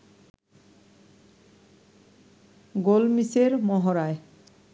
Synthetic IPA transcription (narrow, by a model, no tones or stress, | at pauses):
ɡolmiseɾmɔɦɔɾaj